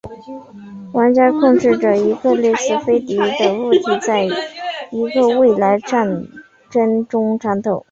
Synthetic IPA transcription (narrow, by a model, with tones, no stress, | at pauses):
wa˧˥nt͡ɕja˥kʰʊ˥˧ŋʈ͡ʂɻ̩˥˩ʈ͡ʂɤ˩i˧˥ɡə˧li˥˩sɹ̩˥˩fe˥ɪt̪i˧˥d̪ə˧˩u˥˩t̪ʰi˧˥t͡sa˥˩ɪi˧˥ɡə˧we˥˩ɪla˧˥ɪʈ͡ʂa˥˩n | ʈ͡ʂə˥nʈ͡ʂʊ˥ŋʈ͡ʂʰa˧˥nt̪ʰo˨˩˦ʊ